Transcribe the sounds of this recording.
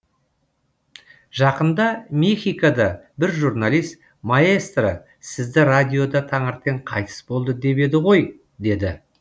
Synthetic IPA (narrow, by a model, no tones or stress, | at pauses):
ʒɑqənd̪ɑmʲexʲijkad̪ɑbɪɾʒuɾnalijst̪ | maest̪rə̰ | sɪzd̪ɪrad̪ʲijo̞d̪ɑt̪ʰɑɴəɾt̪̚ːeɴqʰɑjt̪ʰə̥sbo̞lˠd̪əd̪e̞be̞d̪ɪʁo̞j | d̪e̞d̪ɪ